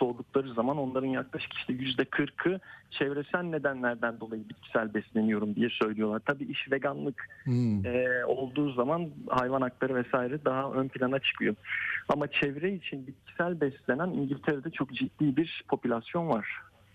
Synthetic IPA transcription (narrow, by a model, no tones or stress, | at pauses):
so̞ɾd̪uk̚lˠaɾɯzamano̞nlˠaɾɯnjaklˠaʃɯ̥cʰi̥ʃilʲɛjyzd̪ɛkʰɯɾkʰɯt͡ʃʰɛvɾe̞sælʲne̞d̪ænlʲæɾd̪ænd̪o̞lˠajɯbit̪cʰi̥sælʲbɛslʲe̞nijo̞ɾumd̪ijɛsø̞jlʲijo̞lˠaɾt̪ʰabiːʔiʃve̞ɡanlˠɯkː | o̞lˠd̪uːzamanhajvanak̚t̪ˠaɾɯvɛsaːiɾɛd̪aɦaʔønpʰilʲanat͡ʃʰɯ̥kʰɯjoamat͡ʃʰɛvɾɛit͡ʃʰinbit̪̚cʰi̥sælʲbɛslʲe̞næniɲɟilʲt̪ʰeɾed̪ɛt͡ʃʰo̞kd͡ʒit̪ːiːbiɾpʰo̞pylʲasjo̞nvaɾ̥